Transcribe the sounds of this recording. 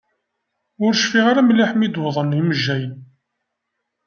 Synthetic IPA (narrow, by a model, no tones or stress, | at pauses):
ʊɾʃfiʁaɾamlːiħmid̪wəðˤəniməʒːæjən